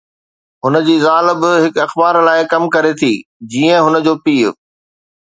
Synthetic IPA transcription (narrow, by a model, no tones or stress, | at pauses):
ɦʊnəd͡ʑiːzaːlɪbɪɦɪkɐxbaːɾlaːɪkɐmkɐɾet̪ʰiːd͡ʑiːə̃ɦʊnəd͡ʑoːpiːʊ̰